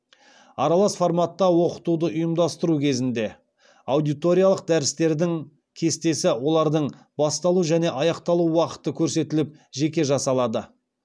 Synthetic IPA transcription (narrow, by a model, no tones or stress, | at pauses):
ɑɾɑlˠɑsfo̞rmat̪ːɑwo̞qə̥t̪ud̪əʔʊjəmd̪ɑst̪əɾukʲʰe̞zɪnd̪e̞ | awd̪ijt̪o̞ɾʲijalˠəq̚d̪æɾɪst̪e̞ɾd̪ɪŋ | kʲʰe̞st̪e̞sɪwo̞lˠɑɾd̪əɴ | bɑst̪ɑlˠuʒæne̞ʔɑjɑqt̪ɑlˠuwɑqə̥t̪əkʲʰɵɾse̞t̪ɪlɪp̚ʒe̞kʲe̞ʒɑsɑlˠɑd̪ə